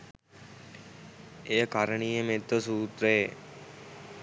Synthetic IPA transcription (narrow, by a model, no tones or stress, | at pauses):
eːkaɾəɳiːemet̪əsuːt̪ɾe